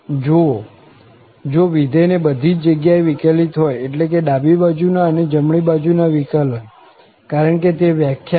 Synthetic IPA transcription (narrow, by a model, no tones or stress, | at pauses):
d͡ʒo | d͡ʒoʋid̪ʱəjnebəd̪ʱit͡ʃd͡ʒəɡjaeʋikalit̪ɦɔjeʈlek̬eɗabibad͡ʒunaəned͡ʒəmɳibad͡ʒunaʋikalən | kaɾəɳket̪eʋjakʰja